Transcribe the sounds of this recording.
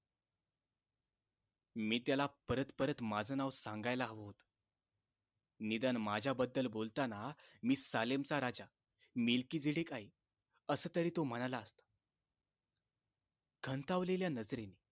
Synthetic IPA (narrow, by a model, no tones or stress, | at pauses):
miːt̪jalapəɾət̪pəɾət̪mad͡zənaʋsaŋɡajlaɦʋot̪ | nid̪ənmad͡ʑʱjabəd̪ːəlbolt̪anamiːsalemt͡saɾad͡za | milkiːd͡ziɽekaɦi | əsəːt̪əɾiːt̪om̤əɽ̃laːst̪ə | ɡʰʱənt̪aʋleljanəd͡zɾene